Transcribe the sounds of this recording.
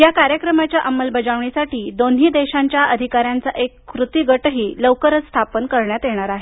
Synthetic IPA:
jakaɾjəkɾəmat͡ɕjaʔəmːəlbəd͡zaʋɳisaʈiːd̪onɦiːd̪eɕaɲt͡ɕjaʔəd̪ʱikaɾjant͡saʔekːɾut̪iɡəʈɦiːləwkəɾət͡sst̪ʰapənkəɾɳjat̪jeɽ̃aɾaɦe

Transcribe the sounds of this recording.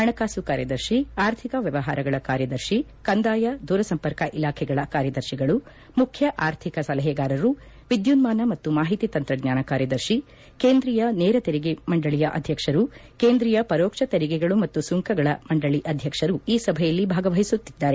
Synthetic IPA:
ɦɐɳɐkaːsukaːɾjɐd̪ɐɾʃiaːɾt̪ʰikɐʋjɐʋɐɦa̰ːɾɐɡɐɭɐkaːɾjɐd̪ɐɾʃi | kɐnd̪aːjɐd̪ʱuːɾɐsɐmpɐɾkɐʔilaːkʰɛɡɐɭɐkaːɾjɐd̪ɐɾʃiɡɐɭu | mukʰjɐʔaːɾt̪ʰikɐsɐlɐɦɛɡaːɾɐɾu | ʋid̪junmaːnɐmɐt̪ːumaːɦit̪it̪ɐnt̪ɾɐɡɲaːnɐkaːɾjɐd̪ɐɾʃi | keːnd̪ɾijɐnɛːɾɐt̪eɾiɡemɐɳɖɐɭijɐʔɐ̰d̪ʱjɐkʂɐɾukeːnd̪ɾijɐpɐɾoːkʂɐt̪eɾiɡɛɡɐɭumɐt̪ːusuŋkɐɡɐɭɐmɐɳɖɐɭiʔɐd̪ʱjɐkʂɐɾuiːsɐbʱɛjɐlːibʱaːɡɐʋɐɦisut̪ːid̪ːaːɾe

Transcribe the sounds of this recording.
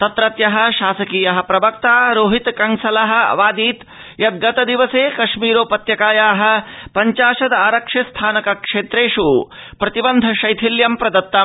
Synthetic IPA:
t̪ɐt̪ɾɐt̪jɐɦɐ̆ʃaːsɐkiːjɐɦɐ̆pɾɐbɐkt̪aːɾoːɦit̪kɐŋsɐlɐɦɐ̆ʋaːd̪iːt̪ | jɐt̪̚ɡɐt̪ɐd̪iʋɐseːkɐʂmiːɾoːpɐt̪jɐkaːjaːɦɐ̆pɐɲt͡ʃaːʃɐd̪ɐaːɾɐkʂɐst̪ʰaːnɐkɐkʂeːt̪ɾeːʂu | pɾɐt̪ibɐnd̪ʱɐʃɐjt̪ʰiljɐmpɾɐd̪ɐt̪ːɐ

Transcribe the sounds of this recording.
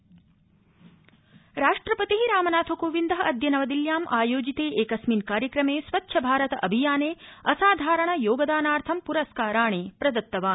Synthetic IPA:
ɾaːʂʈɾɐpɐt̪iɦiɾaːmɐnaːt̪ʰokoːʋind̪ɐɦɐʔɐd̪jɐnɐʋɐd̪iljaːmʔaːjoːd͡ʒit̪eːʔeːkɐsminkaːɾjɐkɾɐmeːsʋɐtːʃʰɐbʱaːɾɐt̪ɐʔɐbʱijaːneːɐsaːd̪ʱaːɾɐɳɐjoːɡɐd̪aːnaːɾt̪ʰɐmpuɾɐskaːɾaːɳeːpɾɐd̪ɐt̪ːɐʋaːn

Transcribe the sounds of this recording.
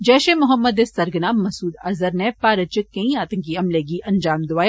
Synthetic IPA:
d͡ʒɛːʃemʊɦəmːəd̪esɐɾɡənaːmːɐsuːd̪ɐzəɾnɛpaːɾət͡ʃɪkẽĩaːt̪ɐ̃ŋkiɐmleːɡiːʔɐnd͡ʒaːmd̪ʊʋaːj

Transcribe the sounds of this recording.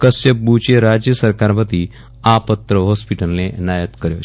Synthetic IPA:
kəsəbut͡ɕeɾad͡ʑjəsəɾkaɾpət̪i | apət̪ɾəɦɔspiʈəlnenajət̪kəɾjo̰

